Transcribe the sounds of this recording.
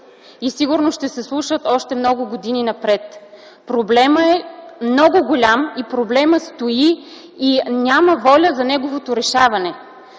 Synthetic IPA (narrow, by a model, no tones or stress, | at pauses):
isiɡʊɾnosʃt̪ɛsɛslˠuʃət̪ɔʃt̪ɛmnɔɡʊɡod̪ininɐpɾɛt̪ | pɾoblɛməɛmnɔɡʊɡolʲamipɾoblɛməst̪oi | inʲaməvɔlʲəzɐnɛɡovot̪oɾɛʃavɐnɛ